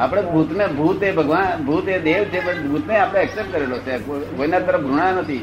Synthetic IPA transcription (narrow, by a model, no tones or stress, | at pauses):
apəɽ̃ebʱut̪mebʱut̪ebʱəɡʋanbʱut̪ed̪eʋt͡ʃʰepənbʱut̪neapəɽ̃eəksep̚ʈ̚kəɾelot͡ʃʰekoinat̪ːəɾəfɡɾuɽ̃ãnət̪ʰi